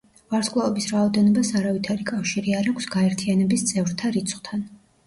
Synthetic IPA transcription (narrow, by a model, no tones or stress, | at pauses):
vaɾskʼlˠaɔbisɾaɔd̪ɛnɔbasaɾavit̪ʰaɾikʼafʃiɾiaɾakʷʰsɡ̥aɛɾt̪ʰianɛbist̪sʼɛvɾt̪ʰaɾit̪sʰχt̪ʰan